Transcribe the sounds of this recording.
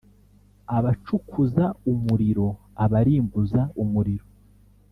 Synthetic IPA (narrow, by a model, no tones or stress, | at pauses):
aβat͡ʃukʰuzaumuɾiɾo̞ | aβaɾiːmbuzaumuɾiɾo